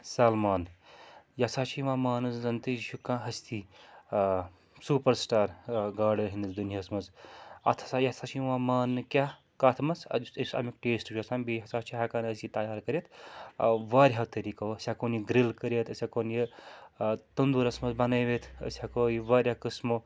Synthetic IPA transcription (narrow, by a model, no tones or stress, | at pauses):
saːlmaːn | jɐsaːt͡ʃʰiʋaːmaːnɨzzɐnt̪iʃʰukãːɦɐst̪ʰi | suːpɐɾsʈaːɾɡaːɖɾɐɦind̪ɐd̪unjiɐsmɐzɐ̰t̪ʰɐ̥sajɐsaːt͡ʃʰiʋaːmaːnːɨkʲa | kaːt̪ʰmɐsɐ̰d̪sisɐ̰mikʈeːsʈuʃʰʲosambiɦɐsaːt͡ʃʰiɦakaːnɐst̪it̪ɐjaːɾkɐɾʲet̪ʰ | ʋaːɾʲɦat̪ɐɾiːkawɐsʲakoːniɡɾilkəɾet̪ʰɐsʲakoːnji | t̪ɐnd̪uɾɐsmɐzbɐneːʋet̪ʰɐ̰sʲakoːjiʋaːɾʲakəsmo